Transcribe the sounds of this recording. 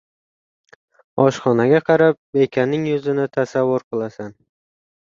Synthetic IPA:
ɒʃχɒnaɡʲaqʰɑɾap̚ekʲʰanːɪŋjʊzɪnɪt̪ʰasavːʊɾqʰɨlˠasan

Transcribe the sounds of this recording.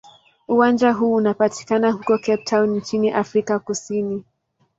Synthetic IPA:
uwand͡ʒaɦuːunapati̥kanahukɔkɛp̚tʰawnnt͡ʃiniʔafɾikakusini

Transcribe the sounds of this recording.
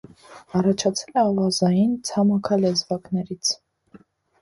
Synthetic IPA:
ɑrɑt͡ʃʰɑt͡sʰɛlɛɑvɑzɑjint͡sʰɑmɑkʰɑlɛzvɑknɛɾit͡sʰ

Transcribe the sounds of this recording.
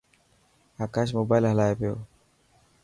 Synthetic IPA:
akaʃ̬mobaːjlɦəlaːjepeo̰

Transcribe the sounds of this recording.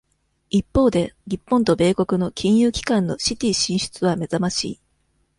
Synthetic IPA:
ipːo̞ːd̪e̞ɾʲipːõnt̪o̞be̞ːko̞kɯ̟no̞kʲʰĩɰ̃jɯːkʲi̥kãnːo̞ɕit̪ʲiːɕĩɰ̃ɕɨ̥t͡sɨβame̞zamaɕḭː

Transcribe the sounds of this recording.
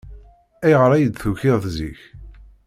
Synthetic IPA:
æjʁəɾˤæjəd̪θuçɪðθziç

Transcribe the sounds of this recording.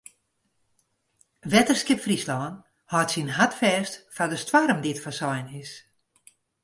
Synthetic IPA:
ʋɛtərskɪpfrislɔːn | hɔtsinhatfɛːstfadəstwaɾəmditfasɔjnɪs

